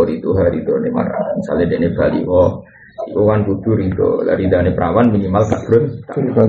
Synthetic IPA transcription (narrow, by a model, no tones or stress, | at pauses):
ɔɾit̪uɦaɾid̪ɔnema̰ɾa̰misa̰lnedeʔneb̥alḭwɔ | iwɔŋankut̪uɾit̪o̰la̰ɾid̪anepɾawanminimalka̰ʔb̥ɾɔnt̪a